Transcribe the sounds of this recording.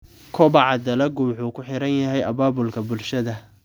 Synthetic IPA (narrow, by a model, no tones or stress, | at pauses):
kʰɔbɑʕɑd̪ɐlɐɡʊmħuːkʰʊħɪɾɐnjɐɦɛjʔɐβaːbʊlkʰɐbʊlʃɐðɐ